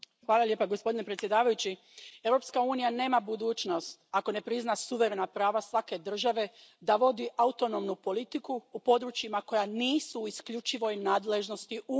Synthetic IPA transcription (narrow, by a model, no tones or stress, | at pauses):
xʋaːlˠalje̞ːpaɡospo̞d̪inepɾet̪sje̞d̪aːʋajut͡ɕi | e̞wɾo̞pskauːnijane̞ːmabud̪uːt͡ʃno̞st̪ako̞ne̞pɾiznasuʋe̞ɾe̞napɾaːʋasʋake̞d̪r̩ʒaʋe̞d̪aʋo̞d̪iʔaut̪o̞nomnupo̞lit̪ikuːpo̞d̪ɾut͡ʃjimako̞janiːsuːiskʎut͡ʃiʋo̞jnaːd̪le̞ʒno̞st̪iu